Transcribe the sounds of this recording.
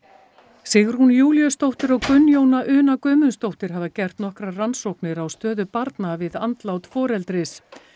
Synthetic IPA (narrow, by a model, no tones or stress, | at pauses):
sɪɣɾ̥hunjuːljʏst̪owht̪ɪɾɔɣkʏnːjoːwnaʔʏːnakœːmʏnst̪owht̪ɪɾ̥ɦavacɛr̥t̪nɔhkɾaransowhknɪɾawst̪œːðʏpaɾt̪navɪðant̪lawt̪fɔːɾɛlt̪ɾɪs